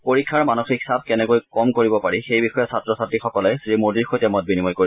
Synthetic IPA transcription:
poɹikʰːaɹmanoxikʰsab̚kɛnɛkojkɔmkoɹibɔpaɹixejbixɔjɛsatɹɔsatixɔkɔlɛsɹimodiɹxɔjtɛmɔt̚binimɔjkoɹi

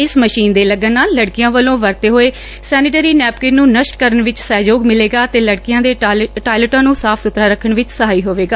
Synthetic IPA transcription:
ɪsməʃiːnd̪eːləɡənːaːlːəɽkɪjãːʋəlõːʋəɾt̪eːɦoːeː | sɛːnɪʈeːɾiːnɛːp̚keːnũːnəʃʈkəɾəɳʋɪt͡ʃsɛːd͡ʒoːɡmɪleːɡaːt̪eːləɽkɪjãːd̪eːʈaːɪləʈãːnũːsaːpʰsʊt̪ɾaːɾəkʰːəɳʋɪt͡ʃsəɦaːiːɦoːʋeːɡaː

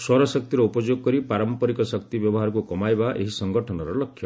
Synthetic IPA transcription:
swɔɾɔsɔk̚t̪iɾɔupɔd͡ʒjoɡ̚kɔɾipaɾɔmpɔɾikɔsʌk̚t̪ibjɔbɔɦaɾɔkukɔmajbaʔḛɦisɔŋɡɔʈʰɔnɔɾɔlɔkʰːjɔ

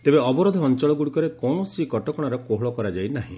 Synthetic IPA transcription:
t̪ebeɔbɔɾod̪ʱɔɔnt͡ʃɔɭɔɡuɽikɔɾekɔ̃ɔsikɔʈɔkɔɽ̃aɾɔkoɦɭɔkɔɾad͡ʒajnaɦḭ̃

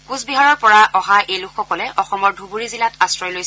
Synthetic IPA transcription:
kuzbiɦaɹɔɹpɔɹaʔɔɦaʔejlʊkʰːɔkɔlɛʔɔxɔmɔɹdʱubuɹizilatastɹɔjlojs

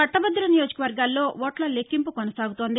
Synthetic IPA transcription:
ɐʈːɐbɐd̪ːuɾɐnijoːd͡ʒɐkɐʋɐɾɡaːlːo̞ːʋoːʈlɐlekːimpukonɐsaːɡut̪oːnd̪i

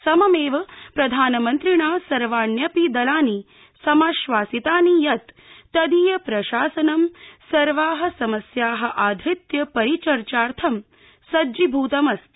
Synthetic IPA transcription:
sɐmɐmeːʋɐpɾɐd̪ʱaːnɐmɐnt̪ɾiɳaːsɐɾʋaːnjɐpid̪ɐlaːni | sɐmaːʃʋaːsit̪aːnijɐt̪ː | ɐd̪iːjɐpɾɐʃaːsɐnɐmsɐɾʋaːɦɐ̆sɐmɐsjaːɦɐ̆ʔaːd̪ʱɾit̪jɐpɐɾit͡ʃɐɾt͡ʃaːɾt̪ʰɐm | sɐd͡ʒibʱuːt̪ɐmɐst̪

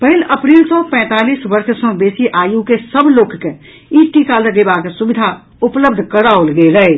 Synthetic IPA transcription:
pəɦɪləpɾiːlsɔpɛ̃ːt̪aːliːsʋəɾʃsɔ̃beːsiʔaːjukesəbʱloːkke | iːʈikaləɡebaːksʊbɪd̪ʱa | ʊpləb̚d̪ʱkəɾaolɡeləe

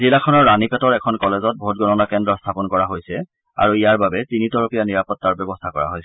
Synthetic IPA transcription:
zilakʰɔnɔɹːanipɛtɔɹɛkʰɔnkɔlezɔt̚bʱot̚ɡɔnɔnakɛndɹɔstʰapɔnkɔɹaɦojsɛ | a̰ɹuijaɹbabɛtinitɔɹopijaniɹapɔtːaɹbɔbɔstʰakɔɹa̰ɦojs

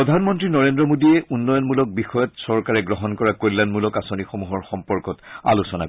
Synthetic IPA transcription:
ɹɔdʱanmɔntɹinɔɹendɹɔmodiɛunːɔjɔnmulɔk̚bixɔjɔtsɔɹkaɹɛɡɹɔɦɔnkɔɹakojlanmulɔkasonixomuɦɔɹxɔmpɔɹkɔta̰lusɔna̰

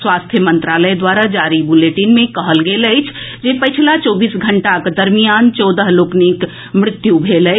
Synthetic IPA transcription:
sʋast̪ʰjəmənt̪ɾaləjd̪waɾad͡ʒaɾibuleʈinmẽkəɦəlɡeləɪt͡ʃʰ | d͡ʒepəɪt͡ʃʰlat͡ʃɔbiːsɡʱəɳʈakd̪əɾmijant͡ʃɔd̪əɦloknik | mɾɪt̪jubʱeləɪ

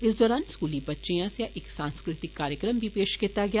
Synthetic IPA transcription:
ɪs̬d̪ɔːɾaːnskuːlibɐtːʃejãsjaʔeːksãːnskɾɪt̪ɪkːaːɾjəkɾəmbʱipeːʃkeːt̪aɡɐjaː

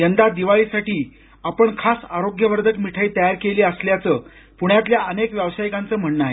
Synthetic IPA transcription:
jənd̪ad̪iʋaɭiːsaʈiː | apəɳkʰasaɾoɡjəʋəɾd̪ʱək̪miʈʰait̪əjaɾkeliːəsljat͡səː | puɳjat̪ljaənekʋjəʋsajikãnt͡səːm̤əɳːaɦe

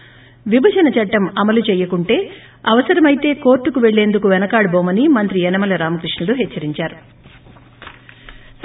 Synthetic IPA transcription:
ʋibʱɐd͡ʒɐnɐt͡ʃɐʈːɐmɐmɐlut͡ʃɛːjɐkuɳʈe̞ː | ɐʋɐsɐɾɐmɐjit̪e̞ːkoːɾʈːukuʋe̞ɭːe̞ːnd̪ukuʋɛnɐkaːɽɐboːmɐnimɐnt̪ɾiɛnɐmɐlɐɾaːmɐkɾiʂɳɐluɦɛt͡ʃːɐɾiɲt͡ʃaːɾu

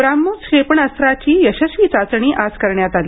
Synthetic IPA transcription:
bɾamːut͡sɕepɳəst̪ɾat͡ɕiːjəɕəsʋit͡sat͡sɳ̃iːʔad͡zkəɾɳjat̪ali

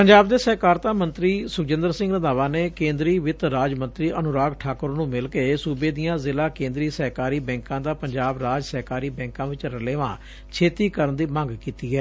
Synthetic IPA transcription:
pəɲd͡ʒaːbd̪eːsəɦkaːɾt̪aːmənt̪ɾiːsʊːd͡ʒɪnd̪əɾsɪ̃ŋɡnəd̪aːʋãːneːkẽːnd̪ɾiːʋɪt̪ɾaːd͡ʒmə̃nt̪ɾiːʔənʊɾaːɡʈʰaːkʊɾnũːmɪlkeːsuːbeːd̪ijãːzɪlaːkẽːnd̪ɾiːsəɦkaːɾiːbɛ̃ːŋkãːd̪aːpəɲd͡ʒaːbɾaːd͡ʒsəɦkaːɾiːbɛ̃ːŋkãːʋɪt͡ʃɾəleːʋãː | t͡ʃʰeːt̪iːkəɾənd̪iːmə̃ŋɡkiːt̪iːɦɛː

